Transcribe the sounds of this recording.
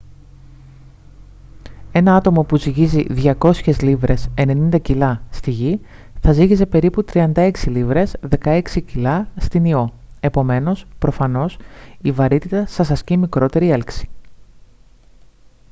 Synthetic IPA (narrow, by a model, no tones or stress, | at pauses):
e̞nɐɐt̪o̞mo̞puziʝiziðʝɐko̞sçe̞zlivɾe̞se̞ne̞nind̪ɐcilɐst̪iʝi | θɐziʝize̞pe̞ɾiput̪ɾiɐnd̪ɐe̞ksilivɾe̞zðe̞kɐe̞ksicilɐst̪inio̞ | e̞po̞me̞no̞spɾo̞fɐno̞sivɐɾit̪it̪ɐsɐsɐscimikɾo̞t̪e̞ɾie̞lksi̥